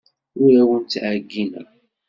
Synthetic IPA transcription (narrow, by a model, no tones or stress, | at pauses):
ʊɾæwənt̪ʕaɡːinə̰ɾ